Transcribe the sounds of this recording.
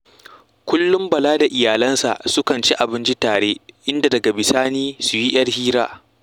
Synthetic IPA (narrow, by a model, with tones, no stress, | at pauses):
kʷʊ˦lːʊ˦mbɐ˨laː˦da˨ʔɪ˨jaː˨lɐ˦nsa̰˨sʊ˦kɐ˨nt͡ʃi˦ʔa˨bɪ˦nt͡ʃi˦taː˨ɽeː˦ʔɪ˦nda˨dɐ˨ɡa˨bɪ˨saː˦niː˦su˨ji˦j̰ɐ˦rhiː˦ɾa̰ː˦